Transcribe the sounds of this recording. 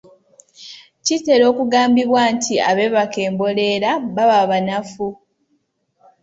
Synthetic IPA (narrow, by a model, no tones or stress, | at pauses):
cite̞ɾo̞ːkuɡaːmbiβwaːntʰia̰βe̞βake̞ːmbo̞le̞ːɾaβaβaβanafu